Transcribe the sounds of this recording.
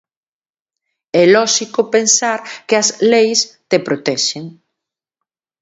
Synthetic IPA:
ɛlɔʃikopensaɾkɪɐslejst̪epɾot̪ɛʃeŋ

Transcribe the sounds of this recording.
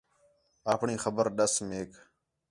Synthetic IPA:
aːpɳiːxəbəɾɗəsmeːk

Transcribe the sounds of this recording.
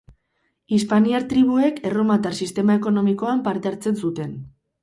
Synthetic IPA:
ispaniaɾt̪ɾiβ̞ue̞ke̞romat̪aɾsist̪e̞mae̞ko̞no̞miko̞ampaɾt̪e̞aɾt͡se̞nsut̪e̞n

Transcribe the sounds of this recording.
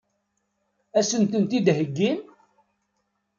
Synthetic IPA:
æsənt̪ənt̪id̪ɦəɡːin

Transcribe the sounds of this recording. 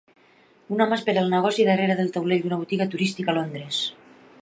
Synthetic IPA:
unamaspeɾəlˠnəɣ̞ɔsiðəreɾəðəlˠt̪awleʎd̪unəβ̞ut̪iɣət̪uɾist̪ikalond̪ɾes

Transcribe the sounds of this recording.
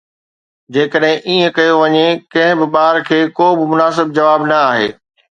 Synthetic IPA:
d͡ʑeːkəɗɦɪ̃ʔiːə̃kɐjoʋɐɲekɐ̃ɦɪ̃bɪɓaːɾkʰeːkoːbɪmʊnaːsɪb̚d͡ʑɐʋaːbnɐaːɦḛː

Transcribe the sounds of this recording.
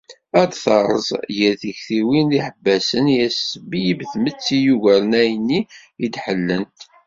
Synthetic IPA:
æd̪θɑɾˤəzˤjæθiçθiwiniħəbːæsənjæsəbijəbθmət͡sːijuʝæɾənæjənːi | id̪ħəlːənt̪

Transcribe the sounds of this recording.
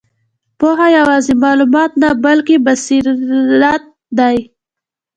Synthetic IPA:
poɦajawɑzemɑlumɑt̪nabalkebasiɾat̪̚ | d̪aj

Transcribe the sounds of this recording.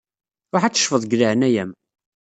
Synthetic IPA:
ɾˤoħæt͡sːə̥ʃfəðˤɡlaʕənæjæm

